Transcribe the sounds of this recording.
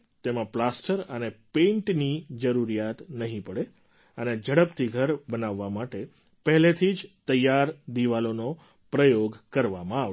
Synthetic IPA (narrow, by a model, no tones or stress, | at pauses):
t̪emãplasʈəɾənepẽɳʈnid͡ʒəɾuɾijat̪nəɦĩpəɽe | əned͡ʒəɽəpt̪ʰiɡʱəɾbənaʋːamaʈe | pəɦlet̪ʰid͡ʒt̪əjaɾd̪iʋalono | pɾəjoɡkəɾʋamãaʋ